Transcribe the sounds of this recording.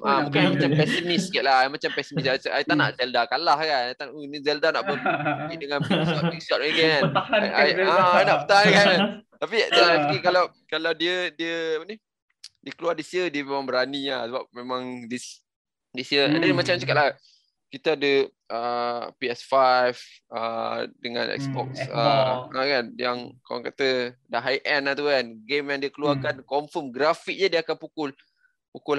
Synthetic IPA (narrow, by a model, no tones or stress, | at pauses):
ʔamukanmat͡ʃampɛsimiskiʔ̪̚laamat͡ʃampɛsimisat̪aʔat̪ana̰ʔzɛldakalahkanajt̪anunizɛldana̰ʔbɔliʔdəŋãnbiɔt̚isɔt̪̚əɡɛn | aajnaʔpt̪aŋkant̪apiapikikalaw | kalawdiədiəapəni | diəkəluardisiədiəmemãŋbəɾanilasəbap̚memãŋdis | disiəɛ̰ndnmat͡ʃamt͡ʃəkat̪̚ʔla | kit̪aadə | əpiɛsfajf | ʔə̰dəŋã̰nʔɛ̰ksbɔ̰k̚səəkanjaŋkawa̰ŋkat̪ədaɦajʔɛnat̪ukanɡemjaŋdiəkəluwarkankɔɱfəmɡɾafik̚ɲədiəakanpukʊl | pukʊl